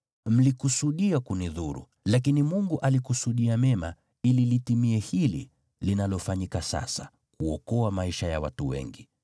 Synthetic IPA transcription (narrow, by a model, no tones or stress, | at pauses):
m̩likusuɗiakuniðuɾṵ | lak̬inimuŋɡuʔalikusuɗiamɛma̰ | ililitimiɛhilḭ | linalɔfaɲikasa̰sa | kuɔkɔamaiʃaja̰watuwɛ̰ŋɡi